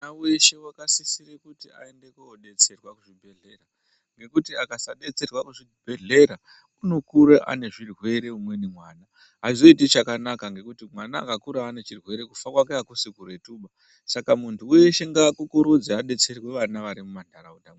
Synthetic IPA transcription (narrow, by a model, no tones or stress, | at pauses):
naweʃewakasisiɾekutia̰e̞nde̞kuoɗe̞t͡se̞rwakuʐibʱe̞ɮe̞ra | ŋɡe̞kutiakasaɗe̞t͡se̞rwakuʐi | b̥ʱe̞ɮe̞ɾa | uno̞kuɾeʔa̰ne̞ʐirwe̞ɾe̞umwe̞nimwaːna | ɦaizo̞itit͡ʃakanakaŋɡe̞kutimwana̰ːkakuɾaːne̞t͡ʃirwe̞ɾe̞kufakwakeakusikure̞tuːɓa | sakamuntʰuweʃe̞ŋɡaːkukuɾud͡zeaɗe̞t͡se̞rwe̞ʋanaʋaɾimumandaɾauda